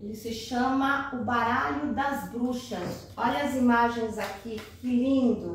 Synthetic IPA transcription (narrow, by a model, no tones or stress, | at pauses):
elɪsɪʃɐ̃mɐʊbaɾaʎʊd̪ɐzbɾuʃɐs | ɔʎɐːzimaʒẽj̃zakikilĩnd̪ʊ